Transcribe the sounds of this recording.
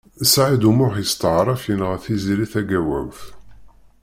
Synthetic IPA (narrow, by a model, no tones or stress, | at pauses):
sʕid̪umʊħjəst̪əʕɾˤɑfjənʁəθiziliθæɡæwæ̰wθ